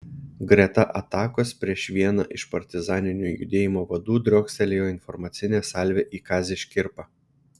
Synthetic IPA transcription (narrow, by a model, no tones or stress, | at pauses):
ɡɾʲɛt̪ɐʔɐt̪ɑːkoːspʲɾʲiɛʃʋʲiɛnɑ̰ʔɪʃpɐɾʲt̪ʲɪzɑːnʲɪnʲuːjʊ̰d̪ʲeːjɪmoːʋɐd̪uːd̪ʲɾʲɔːksʲɛlʲeːjoːɪnfɔɾmɐt̪sʲɪnʲeːsɑˑlʲʋʲeːʔiːkɑːzʲeːʃʲkʲɪɾpɑ